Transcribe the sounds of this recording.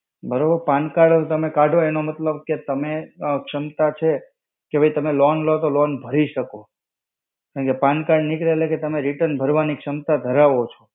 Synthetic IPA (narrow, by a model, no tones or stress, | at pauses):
bəɾobəɾpankaɖt̪əmekaɖʱoenomət̪ləb̚ket̪əmekʂəmt̪at͡ʃʰe | kebʱəjt̪əmelɔnlot̪olɔnbʱəɾiʃəko | kãɳkepãnkaɖnɪkɾeleket̪əmeɾiʈənbʱəɾʋanikʂəmt̪ad̪ʱəɾaʋot͡ʃʰo